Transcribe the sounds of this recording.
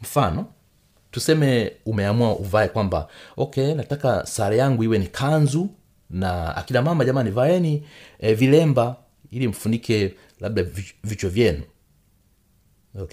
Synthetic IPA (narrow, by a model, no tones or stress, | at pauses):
m̩fanɔ | tusɛmɛumɛamuaʔuvaɛkwamba̰ɔkɛnatakasaɾɛjaŋɡuiwɛnikʰanzu | naa̰kinamamaʄamanivaɛniɛvilɛmba | ilim̩funikʰɛ | laɓ̚ɗavit͡ʃɔvjɛnu